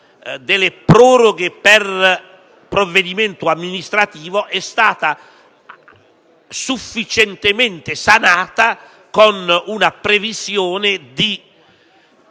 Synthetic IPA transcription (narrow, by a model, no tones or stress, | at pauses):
d̪ɪlepɾɔːɾoɡepɛr | pɾovːed̪imɛnt̪ʊamːinist̪ɾat̪iːvoʔɛst̪aːt̪a | sufːit͡ʃɛnt̪emɛnt̪ɪsanaːt̪a | konunapɾevisjɔːnɪd̪i